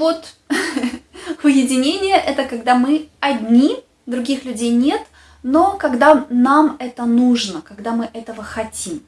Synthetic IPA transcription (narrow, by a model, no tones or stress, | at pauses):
vo̞t̪ | ʊjɪdʲɪnʲenʲɪjəʔɛt̪əkɐɡd̪amɨɐdʲnʲi | d̪ɾʊɡʲixlʲʉdʲejnʲe̞t̪ | no̞kɐɡd̪anamɛt̪ənuʐnəkɐɡd̪amɨʔɛt̪əvəxɐtʲim